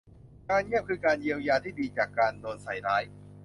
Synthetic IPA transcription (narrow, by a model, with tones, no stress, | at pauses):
kaː˧nɲi˥˩əp̚kʰɯː˧kaː˧nji˧əwjaː˧t̪ʰiː˥˩diː˧t͡ɕaː˨˩kːaː˧ndoː˧nsa˨˩jɾaː˦˥j